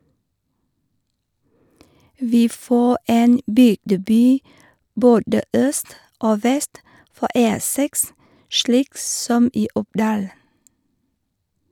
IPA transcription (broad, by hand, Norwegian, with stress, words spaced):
ˈʋiː ˈfoː ˈeːn ˈbʏɡdəˌbyː ˈboːdə ˈœst ˈoː ˈʋɛst ˈfɔ ˈeː ˈsɛks ˈʃliːk ˈsɔm ˈiː ˈʊpˌdɑːl